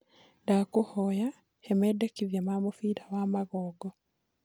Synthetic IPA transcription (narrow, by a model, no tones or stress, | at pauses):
dakuhoja | hemedekiβjamamufiːɾawaːmaɣoːɡɔ